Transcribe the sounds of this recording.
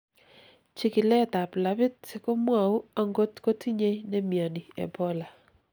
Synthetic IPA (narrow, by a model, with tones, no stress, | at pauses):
t͡ʃi˦kɪ˨lɛ˦˨t̪a˨pla˨bɪ˦t̚sɪ˦kɔ˦mwa˨u˦a˨ŋɡo˦t̪ko˦tʰi˦ɲe˦jnɛ˦mja˨ni˨ɛ̰˨bɔ˦la˨